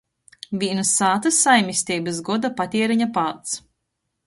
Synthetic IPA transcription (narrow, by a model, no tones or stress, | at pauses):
vʲinusaːt̪ɐsajmʲisʲt̪ʲiːbɨsɡɔd̪apat̪ʲiɛɾiɲapaːt̪s